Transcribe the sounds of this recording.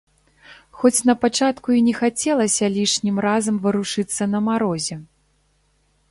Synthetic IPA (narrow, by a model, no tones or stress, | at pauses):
xɔt͡sʲnɐpat͡ʂat̪kuinʲɛxat͡sʲɛlˠɐsʲɐlʲiʂnʲimɾazɐmvɨɾuʂɨt̪sːɐnɐmaɾɔzʲɛ